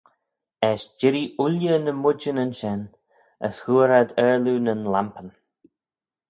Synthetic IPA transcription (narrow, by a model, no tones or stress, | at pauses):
ɛʃd͡ʒɪɾiʔʊljənəmʊd͡ʒənənʃɛn | ə̰shuːɾad̪ɛɹlunənlampən